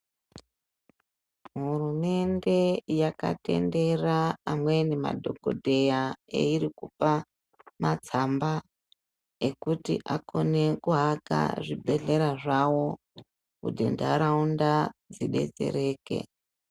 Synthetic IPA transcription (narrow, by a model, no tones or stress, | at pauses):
ɦurume̞nde̞jaka̰te̞̰nde̞raːmwe̞nema̰dʱo̞kodʱe̞jaḛiɾikupa | mat͡samba | ekutḭʔako̞ne̞kuɦaka̰ʐibʱe̞ɮe̞ɾaʐawo̞ | ṵdʱḛnda̰ɾaundad͡ziɗe̞̰d͡ze̞̰ɾe̞ːke̞̰